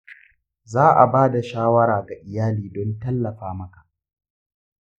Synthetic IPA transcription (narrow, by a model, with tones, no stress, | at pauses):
zaː˦ʔa̰˨baː˦da˨ʃaː˦wɐ˦ɾaː˨ɡa˨ʔɪ˨jaː˦liː˨dɔ˦ntɐ˦lːɐ˨ɸaː˦mɐ˦kḁ˨ʔ